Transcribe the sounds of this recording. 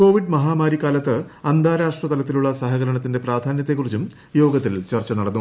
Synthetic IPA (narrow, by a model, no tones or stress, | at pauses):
ko̞ːʋiɖmɐɦaːmaːɾikːaːlɐt̪ːɨɐnd̪ʱaːɾaːʂʈrɐt̪ɐlɐt̪ːiluɭːɐsɐɦɐɣɐɾɐɳɐt̪ːinde̞praːd̪ʱaːnjɐt̪ːekːurit͡ɕːum | jo̞ːɡɐt̪ːilt͡ɕɐrt͡ɕːɐnɐɽɐnːu